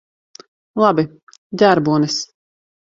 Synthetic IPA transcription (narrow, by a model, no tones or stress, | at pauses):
lˠabi | d̪ʲæɾbuɔnɛs